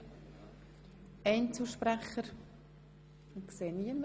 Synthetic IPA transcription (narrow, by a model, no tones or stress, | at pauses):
ɛɪnt͡suʃpɾɛχəɾ | kseːniəm